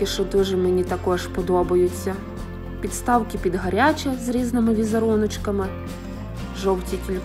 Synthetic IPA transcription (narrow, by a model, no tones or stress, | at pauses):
ɪʃɔd̪ɪʒɛmenʲit̪ɐkɔʒpɔd̪ɔbɐjʊt͡sʲːɐ | pʲit̪st̪ɑwkɪpʲid̪ɦɐɾʲat͡ʃʲɐzɾʲiznɪmɪʋʲizɐɾɔnɔt͡ʃkɐmɪ | ʒɔwtʲikʲilʲ